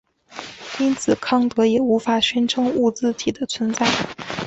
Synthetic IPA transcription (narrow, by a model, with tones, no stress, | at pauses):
i˥nt͡sʰɹ̩˨˩kʰɑ˥˩ŋt̪ɤ˧˥jɛ˨˩u˧˥fa˨˩ɕɥɛ˥nʈ͡ʂʰɤ˧˥ŋu˥˧t͡sɹ̩˥˧t̪ʰi˨˩d̪ə˦t͡sʰwə˧˥nt͡sa˥˩ɪ